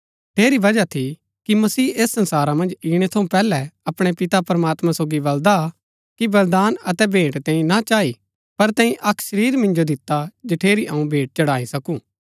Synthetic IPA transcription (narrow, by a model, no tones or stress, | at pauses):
ʈʰeːɾiʋɐd͡ʒat̪ʰi | kimɐsiːeːsːɐ̃nsaːɾamɐ̃nd͡ʒiːɽ̃et̪ʰɐũpɛːlɛɐpɽ̃epɪt̪apɾɐmaːt̪mãsoːɡibɐld̪a | kibɐld̪aːnɐt̪ɛbʱeːʈt̪ɛ̃ːĩnat͡ʃaːi | pɐɾt̪ɛ̃ːĩʔɐkʰʃɐɾiːɾmɪ̃nd͡ʒod̪ɪt̪ːad͡ʒɐʈʰeːɾiʔɐːũbʱeːʈ̚t͡ʃɐɽaːisɐkũː